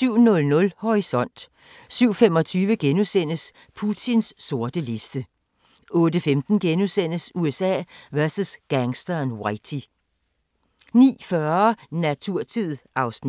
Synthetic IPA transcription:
yʊ̰nɔ̽lnɔ̽lhɒʁisɒ̽n̰d̥ | syʊ̰fem̰ɒ̽t͡sʰyːʋəɡ̥enusen̰əs | pʰut͡sʰinsːo̝ɐd̥əle̝sd̥ə | ɔ̽ːdəfemd̥n̩ɡ̥enusen̰əsuesɛ̰ːʋæɐsəsɡ̥æŋsd̥ɐnwaɪt͡sʰi | nḭːfɶɐɐnæt͡sʰuɐ̰t͡sʰið̰ˠʔɑ̈ʊsni

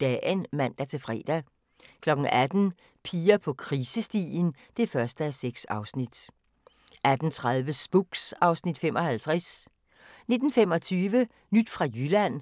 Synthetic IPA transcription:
d̥ɛnmæn̰d̥æt͡sʰe̝lfʁɛ̰ːd̥æ | kʰlɒ̽ɡ̥n̩ʔæd̥n̩ | pʰiːɐpʰɒ̽kʰʁiːsəsd̥ḭːn̩ | d̥e̝fɶɐsd̥əæseɡ̥sɑ̈ʊsnid̥ | æd̥n̩t͡sʰʁaðˠʋəsb̥uɡ̥sɑ̈ʊsnid̥fem̰ʔɒ̽hælt͡sʰʁas | ne̝d̥n̩femɒ̽t͡sʰyːʋə | nyd̥fʁɑ̈jylæn̰

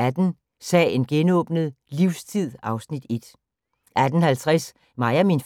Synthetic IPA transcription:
æd̥n̩ | sɛ̰ːe̝nɡ̥enɔ̰̽ːb̥nəð̞̩ˠliʊst͡sʰið̞̰ˠɑ̈ʊsnid̥e̝d̥ | ʔæd̥ən̩hælt͡sʰʁɛs | mɑ̈ɪɐminf

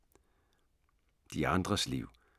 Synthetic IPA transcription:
d̥iɑ̈nd̥ʁɐslḭʊ̰

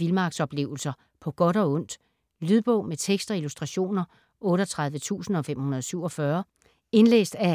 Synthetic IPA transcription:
ilmɑ̈ːɡ̥sɒ̽b̥le̝̰ːʊl̩sɐ | pʰɒ̽ɡ̥ɒ̽ɾ̥ɒ̽ɔ̽n̰d̥ | lyð̞ˠb̥ɔ̽ʊ̰met͡sʰeɡ̥sd̥ɐilusd̥ʁɑ̈ɕo̝̰ːnɐ | ɔ̽ːɾɒ̽t͡sʰʁäð̞ˠʋət͡sʰṵːsn̩ɒ̽fem̰hunɐð̞̩ˠɒsyʊ̰ɒ̽fɶɐ | e̝nlḛːsd̥æ

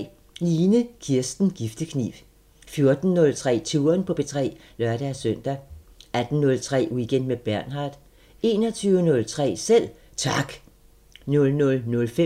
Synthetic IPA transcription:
liːnəkʰiɐsd̥n̩ɡ̥ifd̥əkʰnḭːʋ | fjo̝ɐd̥n̩ːɔ̽lt͡sʰʁɛ̰ːt͡sʰuːɐnpʰɒ̽b̥e̝t͡sʰʁɛ̰ː | lɶɐɾ̥æsøn̰d̥æ | æd̥n̩ːɔ̽lt͡sʰʁɛ̰ːʔuɡ̥en̰d̥meb̥æɐnɦɑ̈ːd̥ | e̝ːnɒ̽t͡sʰyːʊənɔ̽lt͡sʰʁɛ̰ːsel̰ | t͡sʰɑ̈ɡ̥ | nɔ̽lnɔ̽lnɔ̽lfe

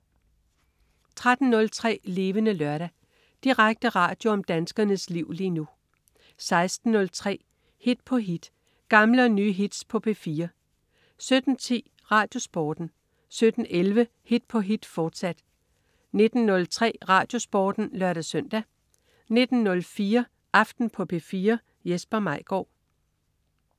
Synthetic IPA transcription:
t͡sʰʁad̥n̩ːɔ̽lt͡sʰʁɛ̰ːle̝ːʋənəlɶɐɾæ | d̥iʁaɡ̥̚d̥əʁɑ̰̈ːd̥jo̝ɒ̽md̥ænsɡ̥ɐnəsliʊ̰liːnu | sɑ̈ɪsd̥n̩ːɔ̽lt͡sʰʁɛ̰ː | hid̥̚pʰɒ̽ɦid̥ | ɡ̥ɑ̈mləɒ̽nyːɦid̥spʰɒ̽pʰefiːɐ | sød̥n̩t͡sʰḭː | ʁɑ̈ːd̥jo̝sb̥ɒːd̥n̩ | sød̥n̩elʋə | hid̥̚pʰɒ̽ɦid̥fɒːd̥sæd̥ | ne̝d̥n̩ːɔ̽lt͡sʰʁɛ̰ːʁɑ̈ːd̥jo̝sb̥ɒːd̥n̩lɶɐɾ̥æsœn̰d̥æ | ne̝d̥n̩nɔ̽lfiːɐ | ʔɑ̈fd̥n̩pʰɒ̽pʰe̝fiːɐ | jesb̥ɐmɑ̈ɪ̰ɡ̥ɒ̰ː

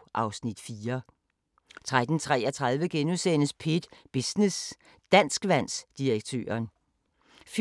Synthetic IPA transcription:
ʔɑ̈ʊsnid̥fiːɐ | t͡sʰʁad̥n̩t͡sʰʁɛ̰ːɐt͡sʰʁað̞ˠʋəɡ̥enusen̰əspʰe̝d̥b̥isnes | d̥æn̰sɡ̥ʋæn̰sd̥iʁɐɡ̥̚t͡sʰø̰ːɐn | f

